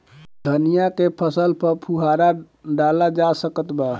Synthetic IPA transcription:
d̪ʱənijakepʰəsəlpəɾpʰuɦaɾa | ɖalad͡ʒasəkət̪ba

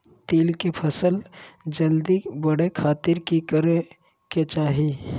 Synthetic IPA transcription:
t̪eːlkepʰəsəld͡ʒəld̪ibəɽekʰaːt̪ɪɾkikəɾe | ket͡ʃaːɦi

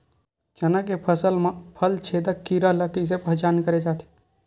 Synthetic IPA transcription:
t͡ʃənəkepʰəsəlmãpʰəlt͡ʃʰed̪əkːiɾələt̪is̬epəɦt͡ʃankəɾed͡ʒaːt̪ʰi̥

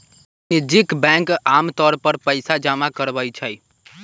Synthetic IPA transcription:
nid͡ʒikbɛ̃ŋkamt̪ɔɾpəɾpəɪsad͡ʒamakəɾbəjt͡ʃʰəj

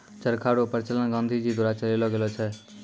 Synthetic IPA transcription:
t͡ʃəɾkʰaɾopəɾt͡ʃələnɡə̃nd̪ʱid͡ʒid̪uɾat͡ʃəlelɔɡelɔt͡ʃʰɛ

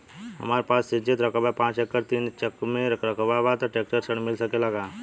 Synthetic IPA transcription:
ɦə̰maːɾpaːsːid͡ʒet̪ɾəkəbapãːt͡ʃekːəɾt̪iːnt͡ʃəkmẽɾəkəbabat̪əʈeːk̚ʈəɾsəɳmɪlsəkelaɡaː

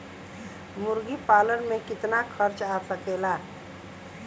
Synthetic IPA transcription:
mʊɾɡipaːlənmẽkɪt̪nakʰəɾt͡ʃaːsəkeːlaː

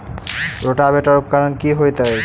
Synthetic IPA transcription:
ɾoʈabeʈaɾup̚kaɾankiɦojt̪aj

